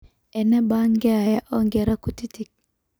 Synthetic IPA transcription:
ɛ˨nɛ˦ba˦ŋɡɛ˦a˨ja˦ʔɔ˦ŋɡɛ˨ɾa˦ku˨ti˦ti˨k̚

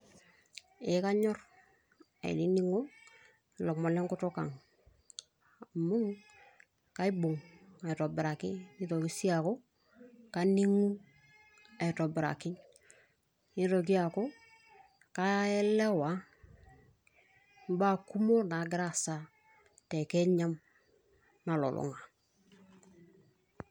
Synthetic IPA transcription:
ɪ˨˦ka˦ɲɔ˦r | a̰˨ɪ̰˨ni˦ni˦ŋo˦˨ | lɔ˨kmɔ˨lɛ˦ŋkʊ˦to˦ka̰˨ŋ˨ | mʊ˦ŋ | ka˦i˦bʊ˨ŋa˨i˨tɔ˨bɪ˨ɾa˨kɪ˦i˦to˨ki˦si˦a˨ko˦ | ka˦ni˦ŋu˦ | a˨to˨bɪ˨ɾa̰˨kɪ˦ŋ | i˦ɾo˨ɡ̬i˦a˨ko˦ | ka˦ɛ˦lɛ˦wa˨˦ | m˦ba˦˨ku˦mo˦na˨ɡɾa˦sa˨ | te˨ke˦ɲa˦m | na˨lo̰˨lʔo̰˨ŋa˨

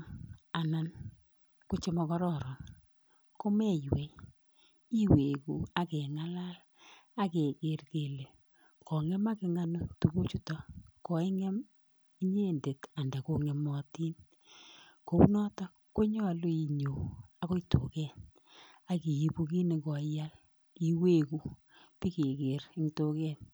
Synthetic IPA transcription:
a˨na˨n | kʊ˦t͡ʃe˦mɔ˨kɔ˦ɾɔ˦˨ɾɔ˨n | ko˦me˦jwe˨ | i˦we˨ku˨a˦ke˨ŋa˦la˦l | a˦ke˨ke˨˦rke˨le˨ | kɔ˨ŋɛ˦ma˦kɪ˨˦ŋa˦no˦tu˨ku˦t͡ʃu˨tɔ˦˨kɔ˨i˦ŋɛ˦m | i˦ɲe˦˨nde˨ta˨nda˨ko˦ŋɛ˨mɔ˨ti˦n | ko˦wu˦nɔ˦tɔ˦ | ko˦ɲɔ˦˨lo˦i˨ɲo˨a˨ko˦i˦to̰˨kɛ˦n | a˨ki˨i˨pu˦ki˦ni˨kɔ˨˦ja˦l | i˦˨we˦ku˦ | pi˦ke˨ke˨rɪ˦ŋto˦kɛ˦˨n

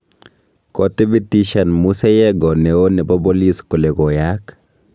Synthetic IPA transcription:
kɔtɪ˦bi˦ti˦ʃa˨nmu˦sɛ˦jɛ˦ɡɔ˨nɛ˨o˦nɛ˨bɔ˦bɔ˦li˦skʊ˨lɛ˨ɡɔ˨ja˦k

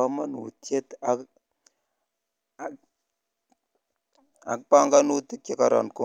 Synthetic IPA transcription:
a˦ma˦nṵ˨te˦t̪a˨k | a̰˨k̚pa˦ŋɡa˦nu˦t̪i˦t̚ke˦ka˨ɾɔ̰˨nku˦˨

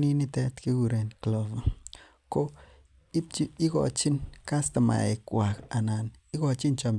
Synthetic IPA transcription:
ni˦ni˦t̪ɛ˧˦t̪ki˧˦ɡu˧ɾe˨nklo˨v | ko˦ | i˦t͡ʃi˦i˦ɡo̰˨t͡ʃi˦nka˦st̪a˨ma̰˨ḛ˨kwʷa˨ka˨na˨ni˦ɡo˧t͡ʃi˦nt͡ʃo˨m

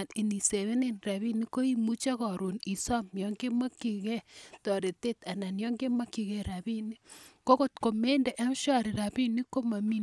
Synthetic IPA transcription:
a˨ni˨ni˨se˨βe˦ne˦nɾa˨βi˦ni˦ko˦i˦mu˦t͡ʃa˦kɔ˨ɾu˨ni˨sɔ˦mjɔ˨ŋɡe˦ma˦ki˨kɛ˦tɔ˨ɾe˨te˦ta˨na˨njɔ˦ŋɡe˦ma˦ki˨kɛ˦ɾa˨bi˦ni˦ko˦ko˦˨tko˨me˦nde˨ʔɛ˦m˦ʃɔ˦ɾi˨ɾa˨bi˦ni˦ko˦ma˨mi˦

